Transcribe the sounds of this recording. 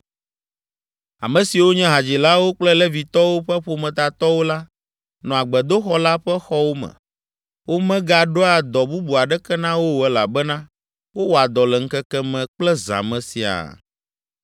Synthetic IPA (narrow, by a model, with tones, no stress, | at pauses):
a̰˨mɛ̃˨si˨wo˦ɲɛ̃˦ɦa˨d͡ʑi˨la˦wo˦k͡plɛ˦lɛ˦vi˨t̪ɔ˦wo˦ɸɛ˦ɸo˨mɛ̃˨t̪a˨t̪ɔ˦wo˦la˦ | nɔ̃˨a˨ɡ͡bɛ˨d̪o˦xɔ˦la˦ɸɛ˦xɔ˦wo˦mɛ̰̃˨ | wo˦mɛ̃˦ɡa˨ɖo˦a˨d̪ɔ˨bu˦bu˨a˨ɖɛ˦kɛ˦nã˦wo˦wo˨ɛ˦la̰˨bɛ˦nã˦ | wo˦wo˦a˨d̪ɔ˨lɛ˨ŋ̩˦kɛ˦kɛ˦mɛ̃˨k͡plɛ˦za̰˨mɛ̃˨sḭ˨a̰˨